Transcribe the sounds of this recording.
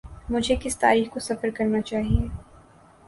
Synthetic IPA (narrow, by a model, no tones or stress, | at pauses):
mʊd͡ʒʱekɪst̪a̰ːɾiːxkosɐfəɾkɐɾnat͡ʃaːɦie